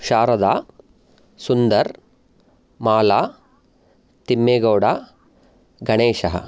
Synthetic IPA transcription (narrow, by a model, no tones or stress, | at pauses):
ʃaːɾɐd̪aː | sund̪ɐɾ | maːlaː | t̪imːeːɡɐwɽaː | ɡɐɳeːʃɐɦɐ̰